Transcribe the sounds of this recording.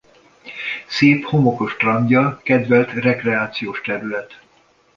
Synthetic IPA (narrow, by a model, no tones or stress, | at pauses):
seːpho̞mo̞ko̞ʃt̪rɒɲɟɒkɛd̪vɛlt̪rɛkrɛaːt̪sijoːʃt̪ɛɾylɛt̪